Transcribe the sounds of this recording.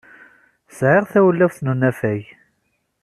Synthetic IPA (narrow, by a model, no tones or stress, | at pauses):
sʕɪʁθæwəlːæwθnunæfæj